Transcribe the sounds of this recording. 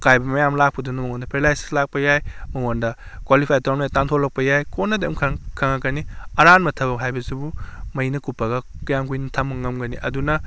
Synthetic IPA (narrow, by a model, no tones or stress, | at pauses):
kʰajbɐmɐjamlak̚pɐdunɐmɐŋondɐpʰeɾlajsi̥slak̚pɐjajmɐŋondɐkwalipʰajtaɾnmajatantʰolːɐk̚pɐjajkonːɐdeɐmkʰkʰaŋakɐniɐɾanmɐtʰɐbɐkhajbɐzibumɐjnɐkupːɐɡɐkjamkujnɐtʰamɐŋɐmɡɐniʔɐ̰dunɐ